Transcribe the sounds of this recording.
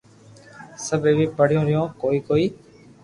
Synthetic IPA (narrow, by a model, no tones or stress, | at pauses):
səbʱeːʋiːpəɽɪjõːɾɪjõːkoːiːkoːiː